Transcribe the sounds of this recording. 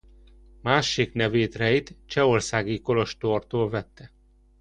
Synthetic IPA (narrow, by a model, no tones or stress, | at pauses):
maːʃiknɛveːt̪rɛjit̪t͡ʃɛorsaːɡiko̞lo̞ʃt̪ort̪oːlvɛt̪ːɛ